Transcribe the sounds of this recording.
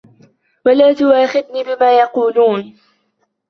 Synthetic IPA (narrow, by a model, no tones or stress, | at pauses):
walaːt̪ʊwaːxɪðnibɪmaːjɑquːluːn